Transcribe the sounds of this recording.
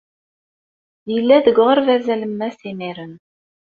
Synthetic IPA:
jəlːæðəɡʁəɾvæzæləmːæsimiɾən

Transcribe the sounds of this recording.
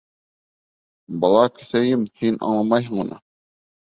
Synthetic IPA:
bɑlˠɑkʲʰi̥sɛjimhinʔɑ̰ŋlˠɑmɑjɦŋunɑ̰

